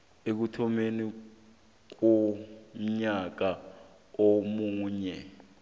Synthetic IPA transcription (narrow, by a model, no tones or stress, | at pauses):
ek̬utʰɔmeni | k̬om̩ɲak̬a | omuːɲɛ